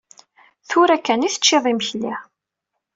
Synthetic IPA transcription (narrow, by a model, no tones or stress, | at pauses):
θʊɾækːæniθə̥t͡ʃːeðˤiməçli